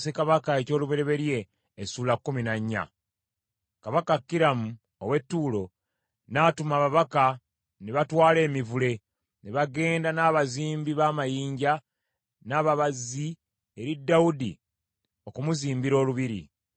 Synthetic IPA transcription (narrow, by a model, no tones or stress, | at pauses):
se̞kaβakae̞co̞ːluβe̞ɾe̞βe̞ɾje̞ː | suːlakːuminaɲːa̰ | kaβakakːiɾamu | owe̞tːuːlo̞ | natumaβaβaka | neβatwaːle̞ːmivule̞ | neβaɡe̞ːndanaːβaziːmbiβaːmajiːɲɟa | naːβaβazːi | eɾidːaudḭ | o̞kumuziːmbiɾo̞ːluβiɾḭ